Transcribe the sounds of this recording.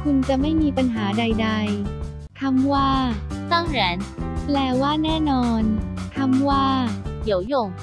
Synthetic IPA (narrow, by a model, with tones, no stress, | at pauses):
kʰu˧nt͡ɕa˨˩ma˥˩jmiː˧pa˧nɦaː˩˦da˧jda˧j | t̪ʰa˧˥mwaː˥˩sa˥˩ŋɾɛː˩˦nplɛː˧˩waː˥˩nɛː˥˩nɔː˧nt̪ʰa˧˥˩mwaː˥˩di˩˦əwjo˧˩ŋ